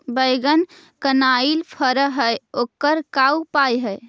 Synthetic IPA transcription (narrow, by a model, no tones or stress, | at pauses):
bəjɡən | kənailpʰəɾəɦəjokəɾkawpajɦəj